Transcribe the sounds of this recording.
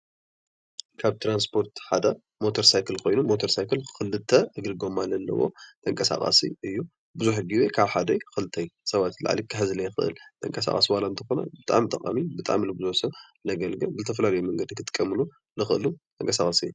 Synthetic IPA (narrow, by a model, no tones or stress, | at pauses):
kʰaβt̪ʰɾanspʰo̞ɾt̪ħad̪ɐ | mo̞t̪ʰoɾsajkʰɨlkʰo̞jnumːot̪ʰoɾsajkʰɨlkɨlːɨt̪ʰːɐʔɨɡɨɾɨɡomalːɐlːɐ̰wo̞̰t̪ʰʼɐŋkʼɐsa̰χʼa̰sḭɨjːu | bɨzuħɨɡiwekʰaβħad̪ɐjxɨlɨt̪ʰɐjsɐβat̪la̰ʕlikʰɨhzlɐjxɨ̰ʔɨ̰lt̪ʼʰɐ̰ŋkʼɐsa̰χʼa̰siwalant̪ʰɐxo̞nɐ̰bɨt̪ʼa̰ʕmt̪ʼɐkʼa̰mibɨt̪ʼaʕmilɨbɨzuħsɐ | lɐɡɐlɡɨbɨzɨt̪ʰɐf̬ɐlalɐjumɐŋɡɐd̪ikʰɨt̪ʼɨ̥kʼːɐmɨlu | lɨxɨʔɨlut̪ʰʼɐŋkʼɐsaχʼasi